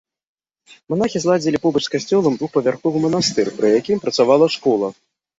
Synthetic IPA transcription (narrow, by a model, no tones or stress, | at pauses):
man̪axʲizlˠad͡zʲilʲipɔbɐt͡ʂskasʲt͡sʲɔlˠɐmd̪vuxpɐvʲarxɔvɨmɐnast̪ɨrpɾɨjakʲimpɾɐt̪savalˠɐʂkɔlˠɐ